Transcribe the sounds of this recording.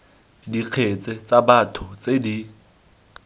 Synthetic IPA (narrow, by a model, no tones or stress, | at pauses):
diq͡χʰet͡sʼɛt͡sʼabatʰʊt͡sʼedi